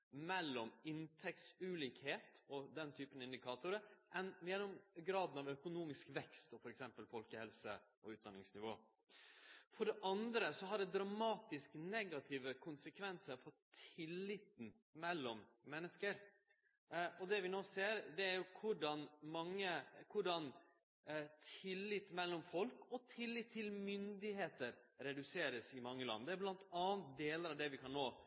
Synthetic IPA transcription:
mɛlːɔmɪnt̪ʰɛk̚t̪sʉliːkheːt̪ɔd̪ɛnt̪ʰyːpənɑɪnd̪ɪkʰɑːt̪ʊɾəʔɛnjɛnʊmɡɾɑːd̪n̩ɑʋœkʊnuːmɪskʋɛkst̪ɔfɔɾɛksɛmpəlfɔlkəhɛlsəʔɔʉːt̪̚d̪ɑnːɪŋsnɪʋo̰ː | fɔɖɛʔɑnd̪ɾəsɔɦɑɖɛd̪ɾɑmɑːt̪ɪsknɛɡɑt̪ʰɪːʋəkʰʊnsəkʰʋɛnsəɾfʰɔt̪ʰɪlːɪt̪n̩ | mɛlːɔmmɛnːəskəɾ | ɔd̪ɛʋɪnoːseːɾd̪ɛæɾjʊkʰʊɖɑnmɑŋːəkʰʊɖɑn | t̪ʰɪlːɪt̪ːmɛlːɔmfɔlkɔt̪ʰɪlːɪt̪ʰːɪlmʏnd̪ɪheːt̪əɾɾɛd̪ʉseːɾəsɪmɑŋːəlɑ̰nːd̪ɛːblɑnt̪ɑːnt̪̚d̪eːləɾɑʋd̪ɛʋɪkʰɑnːoː

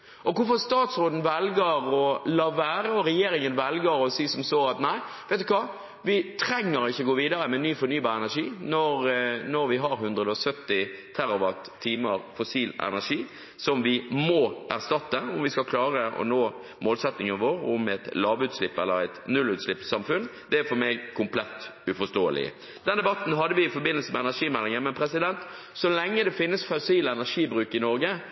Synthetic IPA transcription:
ʔɔkʰʊfɔɾst̪ɑːt̪sɾoːd̪n̩ʋɛlɡəɾɔlɑːʋæːɾəɔɾɛjeːɾɪŋənʋɛlɡəɾɔsiːsɔmsoːɑt̪næɪ | ʋɛɪt̪ːʉkʰʋɑː | ʋɪt̪ʰɾɛŋːəɾɪçːəɡoːʋiːd̪ɑɾəmɛnyːfɔɾnyːbɑːɾɛnæʂiːnɔɾnɔɾʋɪɦɑɾɦʉnd̪ɾəd̪əɔsœt̪ːɪt̪ʰæɾɑbɑt̪ʰːiːməɾfʊsiːlɛ̰næʂiː | sɔmʋɪmɔːʔæ̰ɾst̪ɑt̪ːəʊmʋɪskɑlkʰlɑːɾəʔɔ̰noː | moːlsɛt̪nɪŋɑʋoːɾʊmɛt̪lɑːʋʉːt̪slɪpːɛlːəɾæɪt̪nʉlʉːt̪slɪpːsɑmfʉnd̪̥ɛæɾfɔɾmɛɡkʰʊmpʰlɛt̪ːʉfɔst̪oːə̰lɪ̰ | d̪̥ɛnd̪ɛbɑt̪n̩ɦɑd̪ːəʋɪɪfɔɾbɪnəl̩səmɛɛnæʂiːmɛlːɪŋənmɛnpʰɾɛsɪd̪ɛnt̪ | sɔlɛŋːəd̪ɛfɪnːəsfɑsiːləɛnæɾʂiːbɾʉːkɪnɔɾɡə

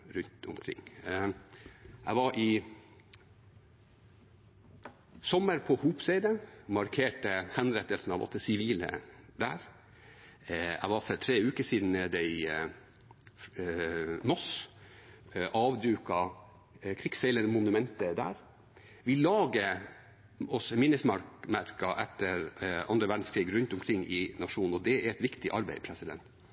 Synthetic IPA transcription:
ɾʉnt̪ʊ̰mkʰɾɪ̰ŋː | æ̰ɪʋɑɾʔɪ | sɔmːəɾpʰɔhuːpseɪd̪əmɑɾkʰeːʈəhɛnɾɛt̪ːəlsn̩ɑʋɔ̰t̪ːəsɪʋiːlə̰d̪æ̰ːɾ | æ̰ɪʋɑɾfɔɾt̪ʰɾeːʉːkəʂiːd̪n̩d̪æɪ | mɔs | ʔɑːʋd̪ʉːkɑ | kʰɾɪksɛɪlənmʊnʉmɛnt̪əd̪æ̰ːɾ | ʋɪlɑːɡə | ɔsmɪnːəsmɑɾmæɾkɑʔɛt̪ːəɾʔɑ̰nd̪ɾəʋæɖn̩skʰɾiːɡɾʉnt̪ɔmkʰɾɪŋːɪnɑʂuːnn̩ɔd̪ɛæɾɛt̪ʋɪkt̪ɪʔɑɾbæɪpʰɾɛsɪd̪ɛ̰nt̪

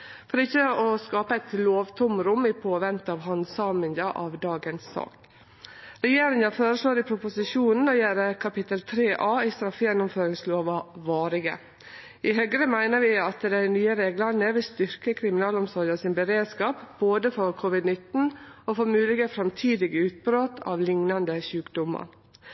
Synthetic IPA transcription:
fɔɾɪçːəɔskɑːpəæɪt̪loːʋt̪ʰʊmɾʊmɪpʰoːʋɛnt̪ɑːʋɦɑnsɑːmɪnd̪əʔɑʋd̪ɑːɡənsːɑ̰ːk | ɾɛjeːɾɪŋəføːɾəʂɭoːɾɪpʰɾʊpʊsɪʃuːnn̩ɔjæːɾəkʰɑpɪt̪əlt̪ʰɾeːʔɑːɪst̪ɾɑfjɛnːʊmføːɾɪŋsloːʋɑʋɑːɾɪɡə̰ | ɪhœɡɾəmæɪnəɾʋɪɑt̪d̪æɪnyːəɾeːɡlɑnəʋɪlst̪ʏɾkəkʰɾɪmɪnɑːlʊmsɔɾəsɪːnbəɾeːd̪skɑːpboːd̪əfɔɾkʰʊʋɪd̪nɪt̪n̩ofɔɾmʉːlɪɡəfɾɑmt̪ʰiːd̪ɪɡəʉːt̪̚bɾoːt̪ʰɑ̰ʋlɪŋnɑnd̪əçʉːkd̪ʊmɑ̰ɾ

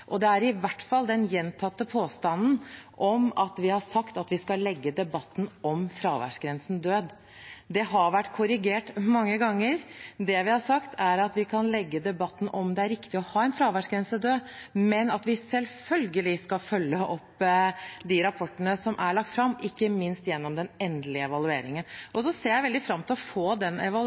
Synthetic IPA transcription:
ʔɔd̪ɛæɾɪʋæʈfɑld̪ɛnjɛnt̪ʰɑt̪ːəpʰoːst̪ɑnːn̩ʔɔmɑt̪ʋɪhɑʂɑkt̪ɑt̪ʋɪskɑlɛɡːəd̪ɛbɑt̪ːn̩ʔɔmfɾɑːʋæ̰ʂɡɾɛnsn̩d̪øːd̪ | d̪ɛɦɑɾʋæʈːkʰʊɾɪɡeːʈmɑŋːəɡɑŋːəɾd̪ɛʋɪhɑɾsɑkt̪ʰæɾɑt̪ʋɪkʰɑnlɛɡːəd̪ɛbɑt̪ːn̩ɔmd̪ɛæɾɪkt̪ɪɔhɑːɛnfɾɑːʋæʂɡɾɛnsəd̪øːmɛnɑt̪ʋɪsɛlfœlɡəlɪskɑfœlːəʔɔpː | d̪ɪɾɑpʰɔʈːənəsɔmʔæɭɑk̚t̪fɾɑmɪkːəmɪnst̪jɛnːɔmd̪ɛnɛnd̪lɪəɛʋɑlʉḛːɾɪŋənʔɔsɔseːɾjæɪʋɛld̪ɪfɾɑmːt̪ʰɪlɔfoːd̪ɛnɛ̰ʋɑ

